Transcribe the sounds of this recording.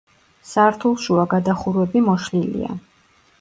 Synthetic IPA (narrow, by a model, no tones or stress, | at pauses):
saɾt̪ʰulˠʃuaɡad̪aχuɾwɛbimɔʃlilḭa̰